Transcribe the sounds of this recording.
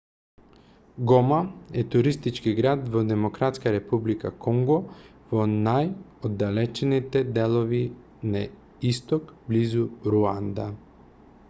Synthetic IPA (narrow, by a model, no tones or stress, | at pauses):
ɡɔmaɛt̪uɾist̪it͡ʃkiɡɾad̪vɔd̪ɛmokɾat̪skaɾɛpublika̰kʰɔŋɡɔvɔnaj | od̪ːalɛt͡ʃɛnit̪ɛd̪ɛlˠɔvi | na | ist̪ɔkblizuɾuand̪a